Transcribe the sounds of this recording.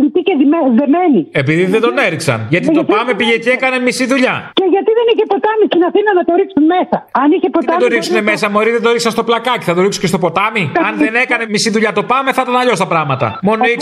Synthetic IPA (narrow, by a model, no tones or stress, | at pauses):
t̪iceðimeðemenie̞piðiðed̪o̞ne̞ɾiksɐ̰nʝɐt̪it̪opɐme̞piʝeceekɐnemisiðuʎɐceʝɐt̪iðeniçepo̞t̪ɐmist̪inɐθinɐnɐt̪oɾiksunmesɐɐniçepot̪d̪oɾiksune̞me̞sɐmoɾizðed̪oɾiksɐnst̪oplɐkɐt̪i̥θɐt̪o̞ɾiksu̥cest̪opo̞t̪ɐmiɐnðe̞ne̞kɐne̞misiðuʎɐt̪o̞pɐme̞θɐt̪ɐnɐʎo̞st̪ɐpɾɐɣmɐt̪ɐ̰mo̞noi